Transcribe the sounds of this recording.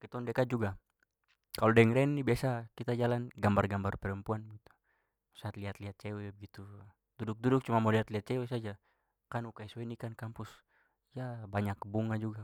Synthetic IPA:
kit̪ɔndɛkad͡ʒuɡa | kalɔdɛŋɾɛnːibiasakit̪ad͡ʒalanɡambarɡambarpɛɾəmpuanbəɡit̪u̥ | saːt̪liɦat̪liɦat̪̚t͡ʃɛwɛbəɡit̪u | d̥udʊk̚dudʊk̚t͡ʃumamɔliat̪liat̪̚t͡ʃɛwɛs̬ad͡ʒa | kanukaiswinikankampus | ijabaɲakːəbuŋad͡ʒuɡa

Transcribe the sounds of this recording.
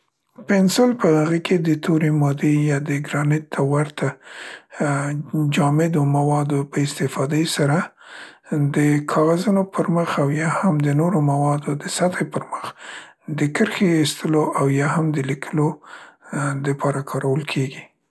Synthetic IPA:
pɪnsolpəaɣəkʰed̪ət̪ʰoɾimɑd̪ejɑd̪əɡɾɑnɪt̪ʰːawaɾt̪ʰa | d͡ʒɑmɪd̪omawɑd̪opəɪst̪ɪfɑd̪əjsaɾa | d̪əkʰɑɣazunopʰəɾməxawjɑhamd̪ənoɾomawɑd̪od̪əsat̪ʰajpəɾməxd̪əkəɾxeːst̪ʰəloʔawjɑhamd̪əlikʰəlo | d̪əpʰɑɾakʰɑɾʔawəlkʰeɡi

